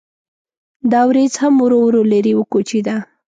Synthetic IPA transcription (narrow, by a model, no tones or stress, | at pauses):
d̪ɑwɾet͡shamwɾowɾolaɾiwəkot͡ʃed̪a